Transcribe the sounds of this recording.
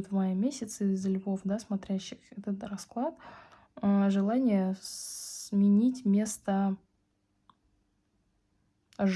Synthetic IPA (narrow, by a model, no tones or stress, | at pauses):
ʊt̪vmajəmʲesʲɪt̪sɨzːəlʲʊbofd̪asmɐt̪ɾʲæɕːɪxɛt̪ət̪rɐsklˠat̪ | əʐɨlˠanʲɪjəsmʲɪnʲitʲmʲe̞st̪ə | ʐ